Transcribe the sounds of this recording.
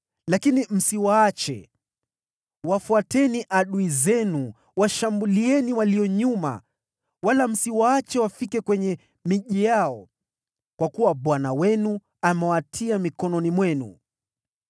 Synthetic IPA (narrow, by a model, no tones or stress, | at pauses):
lakinim̩siwaat͡ʃɛ̰ | wafuatɛniʔaɗuizɛnu | waʃambuliɛniwaliɔɲuma̰ | walam̩siwaat͡ʃɛwafikɛkwɛɲɛ | miʄijaɔ | kwakuwaɓwanawɛnu | amɛwatʰiamikɔnɔnimwɛnṵ